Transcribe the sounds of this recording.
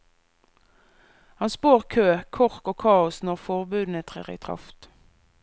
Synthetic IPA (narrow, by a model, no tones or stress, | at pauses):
hɑnspoːʁkʰøːkʰɔʁkoːkʰɑːʊsnɔʁfɔʁbʉːd̪nət̪ʰʁḛːʁḭt̪ʰʁɑ̰ft̪